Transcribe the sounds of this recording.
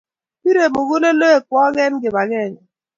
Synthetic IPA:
pi˦ɾe˨mo˨ɣu˦le˦lo˦e˨kwɔ˦ɣɛ˦nɡe˨ba˨ɣɛ˦˨n˨

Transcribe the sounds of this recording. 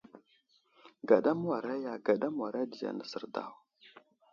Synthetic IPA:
ɡa˨ɗa˦m˦wa˨ɾa˦ja˨ɡa˨ɗa˦m˦wa˨ɾa˦di˨ja̰˨na˦sə˨ɾda̰˦˨w

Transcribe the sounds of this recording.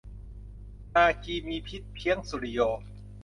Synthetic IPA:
naː˧kiː˧miː˧pʰi˦˥t̪̚pʰi˧˥əŋsu˨˧ɾi˦˧jɔː˧˩

